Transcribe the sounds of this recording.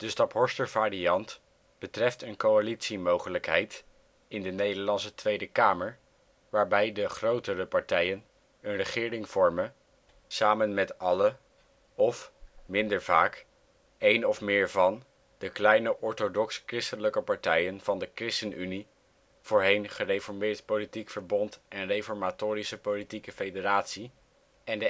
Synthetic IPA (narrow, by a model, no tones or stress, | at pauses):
d̥əstɑtɦɔɹstəɹvaːɾiɑnt | b̥ətrɛftənkowalitsimowχələkɦɛjt | ɪndənejdəɹlɑnsətʋejdəkaːməɹ | ʋaːɹbɛjdəχrowtərəpɑɹtɛjən | ənrəχɪːɾɪŋv̥ɔɹmə | saːmənmɛtɑlə | ɔfmɪndəɹvaːk | ejnɔfmɪːɹvɑn | d̥əklɛjnəʔɔɹtodɔkskrɪstənləkəpɑɹtɛjənv̥ɑndəkrɪstənyni | v̥oːɹɦejnχərejfɔɹmɪːɹtpolitikfəɹbɔntʔɛnrejfɔɹmatʊːɾisəpolitikəfejdəɾaːtsi | ɛndə